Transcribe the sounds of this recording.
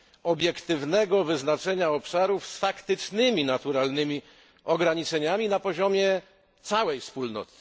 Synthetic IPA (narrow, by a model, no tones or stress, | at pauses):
ɔbʲjɛkt̪ɘvnɛɡɔvɘznat͡ʂɛɲaɔpʂaɾufsfakt̪ɘt͡ʂnɘmʲinat̪uɾalnɘmʲi | ɔɡɾaɲit͡ʂɛɲamʲinapɔʑɔmʲjɛ | t̪sawɛjfspulnɔ̰t̪ɪ̥